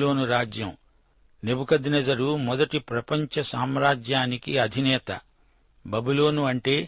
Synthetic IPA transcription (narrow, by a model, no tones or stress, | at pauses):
lo̞ːnuɾaːd͡ʒjɐm | nebukɐd̪inɐd͡ʒɐɾumɔd̪ɐʈipɾɐpɐɲt͡ʃɐsaːmɾaːd͡ʒjaːnikiɐd̪ʱinɛːt̪ɐ̰ | bɐbuloːnuɐɳʈe̞ː